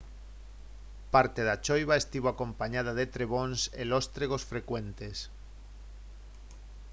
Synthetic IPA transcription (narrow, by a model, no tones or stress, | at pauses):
paɾt̪eðat͡ʃojβaest̪iβoakõ̞mpaɲað̞aðet̪ɾeβ̞onselost̪ɾeɣ̞osfɾe̞kwent̪es